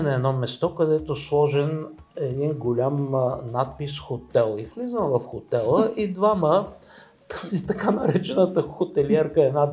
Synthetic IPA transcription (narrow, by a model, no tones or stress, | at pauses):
nɐɛd̪nɔmɛst̪ɔkɐd̪ɛt̪oslˠɔʒɛn | ɛd̪inɡolʲamnat̪̚pisxot̪ɛlˠiflizəvɐfxot̪ɛlˠəʔid̪vamə | t̪azit̪ɐkanɐɾɛt͡ʃɛnət̪əxot̪ɛliɛɾkəɛd̪na